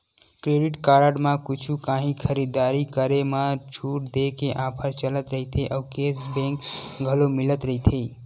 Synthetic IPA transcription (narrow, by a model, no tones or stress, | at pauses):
kɾeɖiʈkaɾəɖmãkut͡ʃʰukãɦĩkʰəɾid̪aɾikəɾemat͡ʃʰuʈ̚d̪ekeʔãpʰəɾt͡ʃələt̪ɾəɦit̪ʰeʔəkesbẽŋkɡʱəlomilət̪ɾəɦit̪ʰe